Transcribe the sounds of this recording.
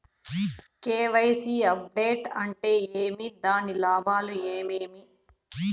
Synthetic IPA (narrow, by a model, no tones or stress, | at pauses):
keːʋɐjsiːɐp̚ɖeːʈɐɳʈe̞ːeːmid̪aːnilaːbʱaːlueːmeːmi